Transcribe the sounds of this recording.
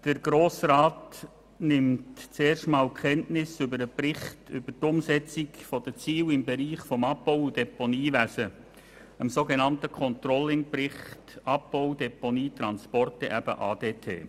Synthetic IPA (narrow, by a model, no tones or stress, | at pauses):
d̥əɾɡ̥ɾoːsrɑːt | nɪmtt͡seːrʃtmɑːlkχɛntnɪsʏbəɾəprɪχtʏbətʊmsɛt͡sɪkfɔd̥ət͡siːwɪmbɛɾiːχfɔmɑpːoʊd̥ɛponiːʋæsə | əmsoːɡenɑntəkʰɔnt̪rɔlːɪŋprɪχtɑp̚ːoʊd̥ɛponiːt̪ɾɑnspɔrtɛʔæb̥ə̰ʔɑːdeːtʰḛː